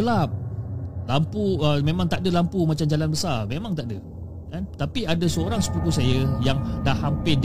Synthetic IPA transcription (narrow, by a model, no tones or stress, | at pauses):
əlap̚lampuəmemãŋt̪aʔdəlampumat͡ʃamd͡ʒalanbəsarmemãŋt̪aʔdə | kant̪apiadasəoɾaŋsə̥pukusajəjaŋdahːampɪ